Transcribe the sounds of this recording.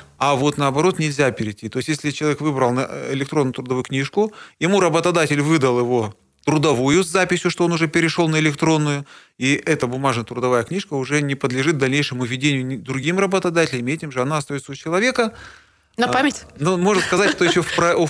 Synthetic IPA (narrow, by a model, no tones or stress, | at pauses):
avo̞t̪nəɐbɐɾo̞t̪nʲɪlʲzʲapʲɪɾʲɪtʲːit̪o̞ɪst̪ʲjesʲlʲɪt͡ɕɪlˠɐvʲekvɨbɾəlˠnəɪ̰lʲɪk̚t̪ɾonːʊjʊt̪ɾʊd̪ɐvujʊknʲiʂkʊjɪmuɾəbət̪ɐd̪atʲɪlʲvɨd̪əlˠjɪvo̞ | t̪ɾʊd̪ɐvujʊzːapʲɪsʲjʊʂt̪oo̞nʊʐɛpʲɪɾʲɪʂo̞lˠnəɪlʲɪkt̪ɾo̞nːʊjʊ | iʔɛt̪əbʊmaʐnəət̪ɾʊd̪ɐvajəknʲiʂkəʊʐɛnʲɪpəd̪lʲɪʐɨt̪̚d̪ɐlʲnʲejʂɨmʊvʲɪdʲenʲɪjʊd̪ɾʊɡʲimrəbət̪ɐd̪atʲɪlʲɪmʲɪɛtʲɪmʐɨɐnaɐst̪ɐjot̪səʊt͡ɕɪlˠɐvʲe̞kə | nɐpamʲɪtʲnomo̞ʐnəskɐzatʲʂt̪ojɪɕːopɾɐ